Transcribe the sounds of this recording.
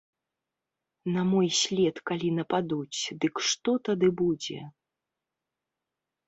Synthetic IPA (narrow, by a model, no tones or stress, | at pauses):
nɐmɔjsʲlʲɛt̪kalʲinɐpad̪ut͡sʲd̪ɨkʂt̪ɔt̪ad̪ɨbud͡zʲɛ̰